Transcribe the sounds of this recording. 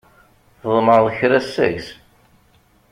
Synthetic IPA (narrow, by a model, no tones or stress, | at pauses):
θðˤməɾˤðəçɾæsːæ̰çz